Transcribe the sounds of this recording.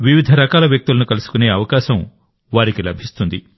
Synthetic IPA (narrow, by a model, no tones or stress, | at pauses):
ʋiʋid̪ʱɐɾɐkaːlɐʋjɐk̚t̪ulɐnukɐlusu̥kune̞ːɐʋɐkaːʃɐm | ʋaːɾikilɐbʱist̪und̪i